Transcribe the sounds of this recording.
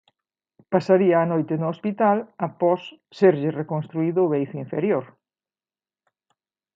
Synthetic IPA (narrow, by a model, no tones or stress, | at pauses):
pasaɾiɐːnojt̪ɪnʊospit̪alapɔsː | eɾʎɪrekonst̪ɾuiðʊːβejθʊĩɱfeɾjoɾ